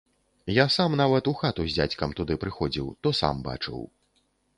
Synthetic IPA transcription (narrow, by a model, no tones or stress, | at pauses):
jasamnavɐt̪uxat̪uzʲd͡zʲa̰t͡sʲkɐmt̪ud̪ɨpɾɨxɔd͡zʲiwt̪ɔsa̰mba̰t͡ʂɨ̰w